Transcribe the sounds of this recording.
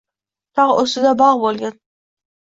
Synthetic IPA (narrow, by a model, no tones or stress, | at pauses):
t̪ʰɑʁosɪd̪abɑʁbolˠɡʲan